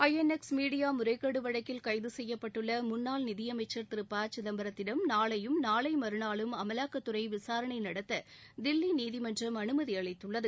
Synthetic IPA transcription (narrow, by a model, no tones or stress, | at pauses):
ɐjɛnɛksmiːɽɪjaːmʊɾɐɪkːɐɽɯʋɐɻɐkːɪlkɐɪðɯsɛjːɐpːɐʈːɯɭːɐmʊnːaːlnɪðɪjɐmɐɪt͡ʃːɐɾt̪ɪɾɯpːaːt͡ʃɪðɐmbɐɾɐt̪ːɪɽɐmnaːɭɐjɯmnaːɭɐɪmɐɾɯɳaːɭɯmɐmɐlaːkɐt̪ːɯɾɐɪʋɪsaːɾɐɳɐɪnɐɽɐt̪ːɐd̪ɪlːiniːðɪmɐndrɐmɐnɯmɐðiɐɭɐɪt̪ːɯɭːɐðɯ